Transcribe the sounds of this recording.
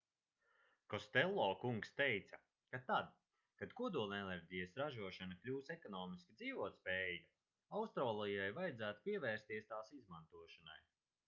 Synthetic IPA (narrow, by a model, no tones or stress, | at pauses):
kɔst̪ɛlˠːɔːkuŋkst̪ejt̪sa | kat̪ad̪ | kad̪kuɔd̪uːlˠnʲenʲɛɾʲɟʲijasɾaʒuɔʃanaklʲuːsekɔnɔːmiskid̪ziːvuɔt̪spɛja | awst̪ɾaːlˠijajvajd̪zæːt̪u̥piɛvɛːɾst̪iɛst̪aːsizmant̪uɔʃana̰j